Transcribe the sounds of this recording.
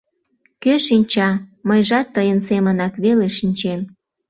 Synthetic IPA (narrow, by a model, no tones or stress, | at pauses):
køʃinʲt͡ɕɑməjʒɑt̪ːəjənsemənɑkβeleʃinʲt͡ɕem